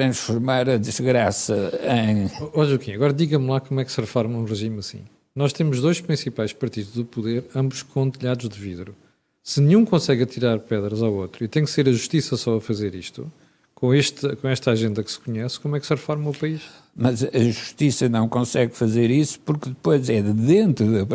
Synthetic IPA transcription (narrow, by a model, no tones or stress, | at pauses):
t̪ɾɐ̃ʃfuɾmaɾɐðɨʒɣɾasɐẽj̃ɔʎukĩɐɣɔɾɐðiɣɐmlˠakomwɛksɨʁɨfɔɾmɐũʁɨʒimɐsḭ̃ | nɔʃt̪emuʒðojʃpɾĩsipajʃpɐɾt̪iðuʒðupuðeɾɐ̃mbuʃkʰõt̪ɨʎaðuʒd̪ɨviðɾu | sɨnɨɲũkõsɛɣɐt̪iɾaɾpɛðɾɐzawot̪ɾuit̪ɐ̃j̃kseɾɐʒuʃt̪isɐsɔɐfɐzeɾiʃt̪ṵ | kõeʃt̪kõɛʃt̪aʒẽnd̪ɐkɨ̥sɨ̥kuɲɛskomwɛksʁɨfɔɾmɐ̃upɐiʃ | mɐzɐʒuʃt̪isɐnɐ̃w̃kõsɛɣfɐzeɾisu̥puɾkðɨpojzɛðɨðẽnt̪ɾuðɐp